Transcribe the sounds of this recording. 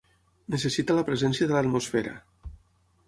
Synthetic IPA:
nəs̬əsit̪alɐpɾəzɛnsjaðələt̪mosfeɾa̰

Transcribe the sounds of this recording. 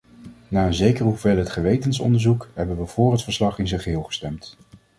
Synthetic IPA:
naːənzejkəɹɦuvelˠɦətχəʋejtənsɔ̰ndəɹzukɦɛbənʋəv̥ʊːrɦətfəɹslɑχɪnzəχəɦɪːlˠχə̥stɛmt

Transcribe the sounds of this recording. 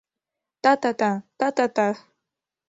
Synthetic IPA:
t̪at̪at̪at̪at̪at̪a

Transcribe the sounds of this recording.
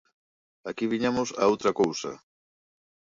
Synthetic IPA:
akiβiɲamʊsa̰owt̪ɾɐkowsɐ̰

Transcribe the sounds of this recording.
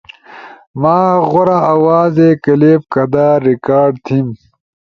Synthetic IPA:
maːɣoɾaːwaːzekɐleːb̚kɐd̪aːɾikaːɖt̪ʰim

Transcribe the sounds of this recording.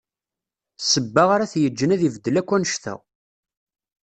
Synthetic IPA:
səbːaʁaɾaθjəd͡ʒːənæðivd̪ːəlækʷːænəʃθæ̰

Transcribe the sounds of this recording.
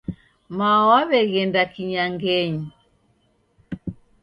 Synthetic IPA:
mawaβɛɣɛndakiɲaŋɡɛɲi

